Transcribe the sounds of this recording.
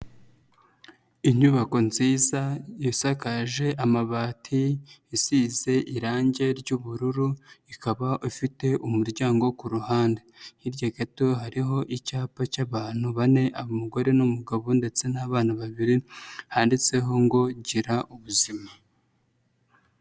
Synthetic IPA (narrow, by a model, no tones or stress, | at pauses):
iɲuβako̞nziːzajisakaʒe̞ʔamaβaːtʰiisize̞ʔiɾaːɲɟe̞ɾɟuβuɾuɾuikaβaʔufite̞ʔumuɾɟaːŋɡo̞kuɾuhaːnde̞hiɾɟaɡatoɦaɾiɦo̞ʔicaːpacaβaːn̥huβane̞ʔaβomuɡo̞ɾe̞numuɡaβonde̞t͡se̞naβaːnaβaβiɾihaːndit͡se̞ɦo̞ŋɡo̞ɟiɾaʔuβuzima